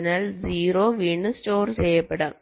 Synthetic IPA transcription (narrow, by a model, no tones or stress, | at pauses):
naːlziːɾoːʋiɳːɨsʈoːɾt͡ɕɛjːɐpːɐɽɐːm